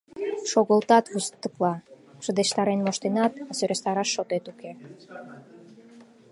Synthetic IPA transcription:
ʃoɣəlt̪ɑt̪βust̪ːə̆klɑ | ʃə̆d̪eʃt̪ɑɾenmoʃt̪enɑt̪ɑsøɾest̪ɑɾɑʃːot̪et̪uke

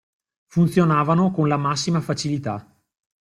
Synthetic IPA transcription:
funt̪sjonaːvanokonlamasːimafat͡ʃilit̪a

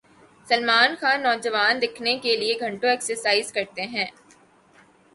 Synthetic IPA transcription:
sɐlmaːnxaːnːɔːd͡ʒɐʋaːnd̪ɪkʰnekelieɡʱɐ̃ɳʈõɛːksəɾsaːɪzkɐɾt̪eɦɛ̃ː

